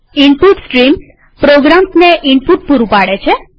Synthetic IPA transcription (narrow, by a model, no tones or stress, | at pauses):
iɳpuʈsʈɾim | pɾoɡɾamsneʔiɳpuʈ̚puɾupaɽet͡ʃʰe